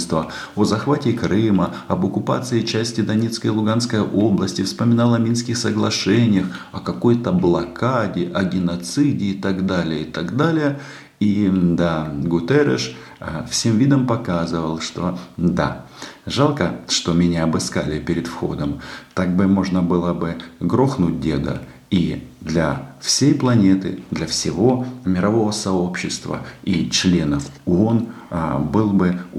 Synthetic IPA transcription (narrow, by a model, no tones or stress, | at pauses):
st̪və | ozɐxvatʲɪkɾɨmə | ɐbəkʊpa̰t̪sɨɪt͡ɕæsʲtʲɪd̪ɐnʲet̪skəjlˠʊɡanskəjəʔo̞blˠəsʲtʲɪfspəmʲɪnalˠəɐmʲinskʲɪxsəɡlˠɐʂɛnʲɪjəxɐkɐko̞jt̪əblˠɐkʰadʲɪʔɐɡʲɪnɐt̪sɨdʲɪːt̪aɡd̪alʲɪjəɪt̪aɡd̪alʲɪjə | id̪aɡʊt̪ɛɾə̰ʂ | fsʲe̞mvʲid̪əmpɐkazɨvəlˠʂt̪o̞̰d̪a̰ʐalˠkəʂt̪o̞mʲɪnʲaɐbɨskalʲɪpʲɪɾʲɪd̪fxo̞̰d̪əmt̪aɡ̚bɨmo̞ʐnəbɨlˠəbɨɡɾoxnut̚ʲdʲe̞̰d̪ə̰ | id̪lʲɐfsʲejplˠɐnʲe̞t̪ɨ̰d̪lʲɐfsʲɪvo̞mʲɪɾɐvo̞vəsɐo̞pɕːɪst̪və̰it͡ɕlʲe̞nəfʊon | bɨlˠbɨ